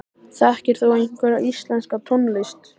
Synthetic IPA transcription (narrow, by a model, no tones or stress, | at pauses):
θɛhcɪɾ̥θuejn̥kvɛɾaʔist̪lɛnskat̪ʰɔnlɪst̪